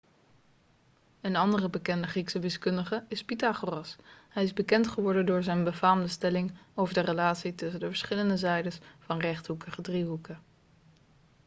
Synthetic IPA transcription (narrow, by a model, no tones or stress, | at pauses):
ənɑndərəbəkɛndəχriksəʋɪskɵndəχəɪspitaχorɑshɛjɪzbəkɛntχəʋɔɹdəndʊːɹzɛjnbəvaːmdəstɛlɪŋowvəɹdərəlaːtsitɵs̬əndəvəɹsχɪləndəzɛjdəsfɑnrɛχtɦukəχədriɦukə